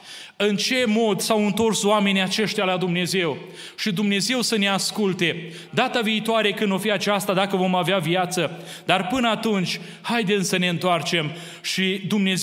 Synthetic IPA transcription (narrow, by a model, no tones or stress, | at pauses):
ɨnt͡ʃe̞mo̞d̪sawɨnt̪o̞rsowame̞niat͡ʃe̞ʃt̪ʲalad̪umne̞ze̞w | ʃid̪umne̞ze̞wsəne̞askult̪e̞ | d̪at̪aviːt̪oaɾe̞kɨnd̪o̞fiat͡ʃast̪ad̪akəvo̞maveavijat̪sə | d̪̥arpɨnəat̪unt͡ʃʲ | hajd̪e̞msəne̞ɨnt̪oart͡ʃe̞m | ʃid̪umne̞z